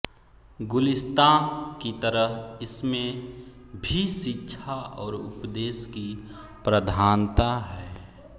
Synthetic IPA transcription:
ɡʊlɪst̪akit̪əɾəɦɪsmẽ | bʱiʃɪtːʃʰaʔɔːɾʊ̰pd̪eːski | pɾəd̪ʱaːnt̪aɦɛː

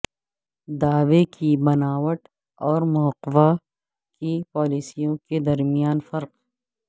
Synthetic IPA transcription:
d̪aːʋekʰibɐnaːwəʈ | ɔːɾmɔːqʋa | kipaːliːsijõked̪ɐɾmijaːnfɐɾq

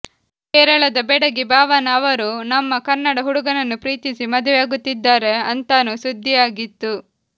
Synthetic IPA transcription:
kɛːɾɐɭɐd̪ɐbɛɽɐɡibaːʋɐnɐːʋɐɾunɐmːɐkɐnːɐɽɐɦuɽuɡɐnɐnːupɾiːt̪isimɐd̪ʋjaːɡut̪ːid̪ːaːɾe̞ɐnt̪aːnusud̪ʱːijaːɡit̪ːu

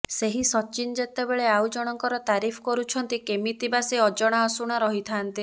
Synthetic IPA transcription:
seɦisɔt͡ʃind͡ʒet̪ebeɭeawd͡ʒɔɽ̃ɔŋkɔɾɔt̪aɾipʰɔ̥kɔɾut͡ʃʰɔnt̪ikemit̪ibaseɔd͡ʒɔɽ̃aɔsuɽ̃aɾɔɦit̪ʰant̪i

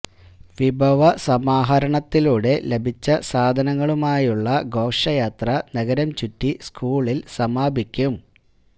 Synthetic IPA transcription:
ʋibʱɐʋɐsɐmaːɦɐɾɐɳɐt̪ːiluːɽe̞le̞bʱit͡ɕːɐsaːd̪ʱɐnɐŋːɐɭumaːjuɭːɐɡo̞ːʂɐjaːt̪rɐnɐɣɐɾɐmt͡ɕutːiskuːɭilsɐmaːbʱikʲːum

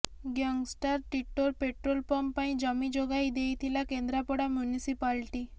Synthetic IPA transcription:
ɡjaŋɡsʈaɾʈiʈːolpeʈɾolpəmpaĩd͡ʑəmid͡ʑoɡaid̪ejt̪ʰilakend̪ɾapɔɽamjunisipalʈi

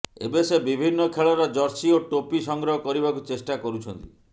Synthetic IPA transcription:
ḛbesebibʱinːɔkʰeɭɔɾɔd͡ʒɔɾsioʈopisɔŋɡɾɔɦɔkɔɾibakut͡ʃesʈakɔɾut͡ʃʰɔnt̪i

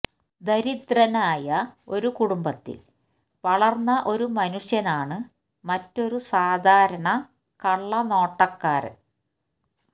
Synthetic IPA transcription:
d̪ɐɾid̪rɐnaːjɐo̞ɾukuɽumbɐt̪ːḭl | ʋɐɭɐrnːɐʔo̞ɾumɐnuʂjɐnaːɳɨ | mɐtːo̞ɾusaːd̪ʱaːɾɐɳɐ | kɐɭːɐno̞ːʈːɐkːaːɾɨ̰

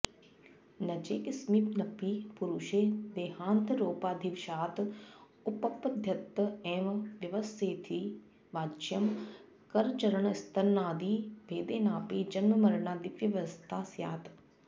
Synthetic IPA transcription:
nɐd͡ʒeːkɪsmipnɐpiːpuɾuʃeːd̪eːɦaːnt̪ɾoːpaːd̪ʱiʋʃaːt̪ | ʊpɐpɐd̪ʱjɐt̪ːẽːʋʋjɐʋəst̪eːt̪ʰiː | ʋaːt͡ʃjɐm | kɐɾt͡ʃɐɾəɳ̃ɪst̪ʰɐɾnaːd̪iːbʱeːd̪eːnaːpiːd͡ʒɐnməmɐɾɳaːd̪iʋjɐʋɐst̪ʰaːsjaːt̪

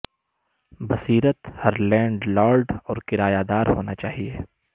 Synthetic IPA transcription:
bɐsiːɾət̪hɐɾlɛ̃ːɳɖlaːɾɖɔːɾkɪɾaːjaːd̪aːɾɦoːnat͡ʃaːɦieː

